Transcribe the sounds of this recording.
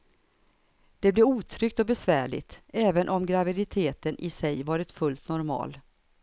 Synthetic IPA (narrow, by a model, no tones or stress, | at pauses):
d̪̥ɛblɛɾuːt̪ʰɾʏkt̪ɔbɛsvæːɭɪ̰t̪ɛːvənʔɔmɡɾavɪd̪ɪt̪ʰeːt̪ənʔɪsɛjvɑːɾɪt̪fɵlt̪nɔɾmɑ̰ːl